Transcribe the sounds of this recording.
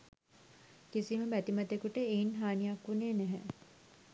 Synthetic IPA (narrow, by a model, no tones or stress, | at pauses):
kisiməbæt̪imɐt̪ekuʈəeinɦaːnijakʋuneːnæɦɛ̰